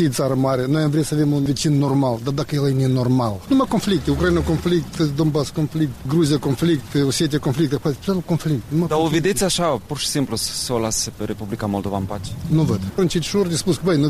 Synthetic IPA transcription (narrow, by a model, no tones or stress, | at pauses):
id̪saɾɐmaɾɐñɛ̃vɾiɐsɐvemũvit͡ʃinnɔɾmalˠd̪ad̪akɛlˠɛnɛnɔɾmalˠnɐ̃w̃akõflik̚t̪ukɾɐinɛkõflik̚t̪ɨd̪õmbaskõflik̚t̪ɡɾuzjɐkõflik̚t̪ɨosjɛt̪ɛkõflik̚t̪ɐpapt̪ɛlukõflik̚t̪nɐ̃w̃ad̪ɐuvid̪et͡sʲaʃapɔɾʃsĩmplʊssolasepɾepublikamolˠd̪ovampat͡ʃnɐ̃vɛd̪ɾõnt͡ʃid̪ʃoɾd̪isbuskbɛ̃j̃nɐ̃